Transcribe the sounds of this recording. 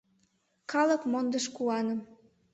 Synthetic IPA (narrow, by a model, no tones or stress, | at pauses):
kɑləkmond̪əʃkuɑnə̆m